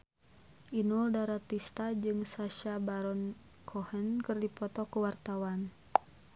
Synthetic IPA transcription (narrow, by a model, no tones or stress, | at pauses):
ʔinuldaɾat̪ist̪ad͡ʒɨŋsaʃabaɾɔn | kʰɔhənkɨrdipɔt̪ɔkuwart̪awan